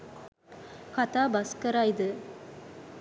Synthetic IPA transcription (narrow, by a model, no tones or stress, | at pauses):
kɐt̪aːbɐskɐɾaːjid̪ɯ